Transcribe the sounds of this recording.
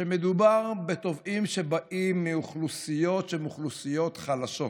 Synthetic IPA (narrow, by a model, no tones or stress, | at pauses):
ʃemed̪ubaʁbet̪o̞vimʃe̞baʔimːiuχlusijo̞t̪ʃemuχlusijo̞t̪χalaʃo̞